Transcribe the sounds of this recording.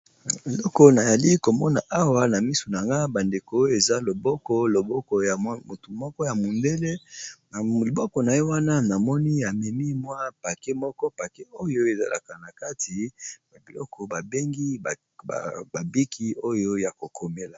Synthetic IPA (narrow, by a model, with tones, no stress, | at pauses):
e˨lɔ˦kɔ˦na˨ja˨li˦ko˨mɔ˦na˨ʔa˦wa˦na˨mi˦su˨na˨ŋɡa˦ba˨nde˨ko˨˦o˦e˨za˦lo˨bɔ˦kɔ˦lo˨bɔ˦kɔ˨ja˨˦mo˨tu˨mɔ˦kɔ˦ja˨mo˨nde˦le˦na˨o˨bɔ˦kɔ˨na˨je˦wa˦na˦na˨mɔ˦ni˦a˨mɛ˨mi˦mwa˦pa˨ke˦mɔ˦kɔ˦pa˨ke˦o˦jo˦e˨za̰˨la̰˨ka˨na˨ka˦tʰi˨ba˨bi˨lɔ̰˦kʰɔ˨ba˨be˦ŋɡḭ˦˨ | ba˨bi˦kʰi˦o˦jo˦ja˨ko˨kʰo˨me˦la˨